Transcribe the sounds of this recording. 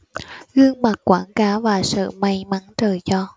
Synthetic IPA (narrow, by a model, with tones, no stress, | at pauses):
ɣɨ˧əŋma˨˩k̚kwaː˧˩ŋkaː˨˦wvaː˨˩sɨ̰˧˨ma˧jma˨˦ŋt͡ɕəː˨˩jzɔ˧